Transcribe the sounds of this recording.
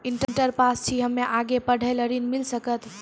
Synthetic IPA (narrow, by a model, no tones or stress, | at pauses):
iɳʈɳʈəɾpast͡ʃʰiɦəmːeʔaɡepəɽ̤ʱələɾinmilsəkət̪